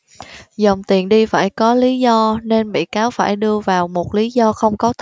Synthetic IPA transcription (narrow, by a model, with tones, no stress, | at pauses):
zə˨˩wŋ͡mt̪i˨˩ənɗi˧faː˧˩jkɔ˨˦li˨˦zɔ˧ne˧nɓḭ˧˨kaː˨˦wfaː˧˩jɗɨ˧əvaː˨˩wmo˨˩t̚li˨˦zɔ˧xə˧wŋ͡mkɔ˨˦t̪ʰ